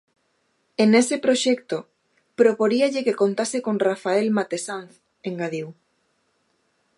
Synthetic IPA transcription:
enesɪpɾoʃɛkt̪o | pɾopoɾiaʎɪkekont̪asekonrafaelmat̪esanθ | eŋɡaðiw

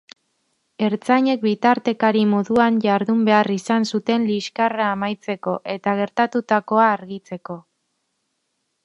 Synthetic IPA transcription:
e̞ɾt͡saɲe̞k̚bit̪aɾt̪e̞kaɾimo̞ðuaɲʝaɾðumbe̞arisansut̪e̞nliʃkaraːmajt͡se̞ko̞ʔe̞t̪aɣ̞e̞ɾt̪at̪ut̪ako̞aːɾɣit͡se̞ko̞

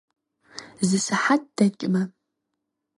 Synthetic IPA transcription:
zɨsɨħat̚d̥ɐt͡ʃʼmɐ

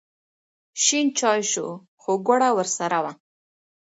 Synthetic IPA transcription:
ʃint͡ʃɑjʃo̰ | xoɡʷaɽawəɾsaɾawa

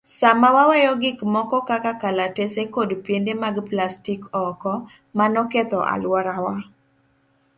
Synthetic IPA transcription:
samawawɛjɔɡɪkmɔkɔkakakalatesekodpjendemaɡplastikɔkɔ | manɔket̪ɔʔa̰lwɔɾawa

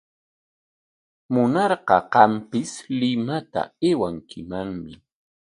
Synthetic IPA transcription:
mʊnɑɾɢɑqɑmpɪslɪmat̪a̰ewaŋkʰɪmaŋmɪ

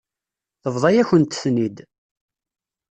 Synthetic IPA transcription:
θəvðˤɑjæçənt̪θnid̪

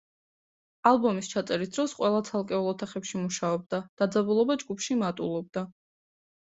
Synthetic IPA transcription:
alˠbɔmist͡ʃʰat̪sʼɛɾisd̪̥ɾɔsqʼwɛlˠat̪sʰalˠkʼɛulˠɔt̪ʰaχɛpʃimuʃaɔbd̪ad̪̥ad̪zabulˠɔbad͡ʒɡupʰʃimat̪ʼulˠɔb̚d̪a

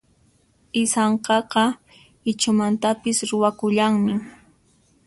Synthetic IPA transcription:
ɪsɑɴqɑqɑ | ɪt͡ʃʊmant̪apɪsɾʊwakʊʎaŋmɪ

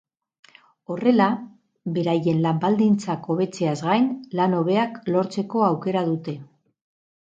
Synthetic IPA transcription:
o̞re̞la | be̞ɾaje̞nlambald̪int͡sako̞βe̞t͡se̞azɣajnlano̞β̞e̞aklo̞ɾt͡se̞ko̞awke̞ɾaðut̪e̞

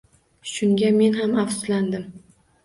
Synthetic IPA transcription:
ʃʊŋɡʲame̞nɦamafsʊ̥zland̪ɪm

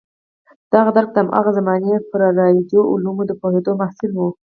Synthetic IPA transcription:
d̪̥ɑɣad̪aɾk̚d̪əamʔɑ̰ɣazamɑnepəɾɑɾɑjed̪joʔʊ̰lumod̪əpohed̪omahsɪlwu

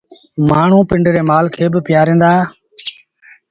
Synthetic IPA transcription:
maːɳ̤ũːpɪɳɖɾeːmaːlkʰeːbɪpɪjaːɾẽːnd̪aː

